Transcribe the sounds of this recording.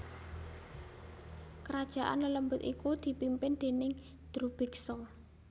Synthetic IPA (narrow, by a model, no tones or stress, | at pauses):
kəɾad̥ʒ̥a̤ʔa̰nlələmbʊt̪ikud̪̥i̤pimpɪnd̪̥e̤nɪŋ | d̪̥ɾub̥ɪ̤ksɔ